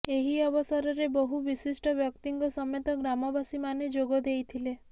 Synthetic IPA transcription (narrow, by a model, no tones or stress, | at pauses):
eɦiɔbɔsɔɾɔɾebɔɦubisisʈɔbjɔkt̪iŋɡɔsɔmjɔt̪ɔɡɾamɔbasimaned͡ʒoɡɔd̪ejt̪ʰile